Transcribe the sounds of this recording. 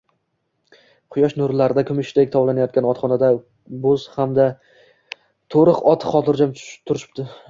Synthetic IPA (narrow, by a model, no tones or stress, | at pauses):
qʰʊjɒʃnʊɾlaɾɪd̪akʰʲʊmɪʃt̪ekʲt̪ʰɒblˠanajɒt̪kʲanɒt̪χɒnad̪a | bozhamd̪a | t̪ʰoɾɨqɒt̪ʰχɒt̪ʰɪɾd͡ʒamt̪ʰʊɾɪʃɪ̥p̚t̪ɪ